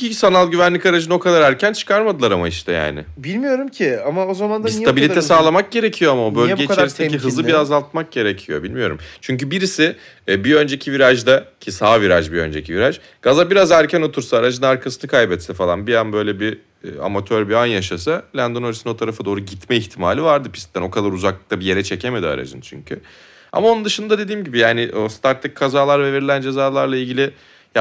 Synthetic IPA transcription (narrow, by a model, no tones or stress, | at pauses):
isanalˠɟyvænlʲikaɾad͡ʒɯno̞kʰad̪aɾæɾcʰænt͡ʃʰɯ̥kʰaɾmad̪ɯlˠaɾamaiʃt̪ʰɛja̰ːnɪ̰bilʲmijo̞ɾumcʰɪamao̞zamand̪anssij̪ʰabilʲit̪ʰɛsaːlˠamak̚ɟe̞ɾecʰijo̞amaobølɟeit͡ʃ̪eɾist̪eiɦɯzlɯbiazalˠt̪̚mak̚ɟ̥e̞ɾecʰijo̞̰bilʲmijo̞ɾṵmt͡ʃʰyɲcybiɾisɪː | biø̞nd͡ʒe̞cʰiviɾaʒd̪acʰisaːviɾaʒbiø̞̰nd͡ʒecʰiviɾaʒ | ɡ̥azabiɾazæɾcʰæno̞t̪ʰuɾsaːɾad͡ʒɯnaɾkʰasɯnɯkʰajbɛt̪sɛfalˠanbijanbø̞jlʲɛbi | a̰mat̪ʰøɾbianjaʃasalʲænd̪o̞noɾisino̞t̪ʰaɾafad̪o̞ːɾuɟit̪mɛiçt̪ʰimaːlʲivaɾd̪ɯpʰi̥st̪æno̞kʰad̪aɾuzaklˠɯk̚t̪abije̞ɾɛt͡ʃʰe̞cʰeme̞d̪ia̰ɾa̰d͡ʒɯ̰nt͡ʃʰy̰ɲcʰy̰ | a̰maonund̪ɯʃɯnd̪ad̪e̞d̪iːmɟibijaːnɪʔost̪ʰaɾt̪ːˠɯkkʰːazaːlˠaɾvɛve̞ɾilʲænd͡ʒe̞zaːlˠaɾlˠailʲɟilʲɪ | j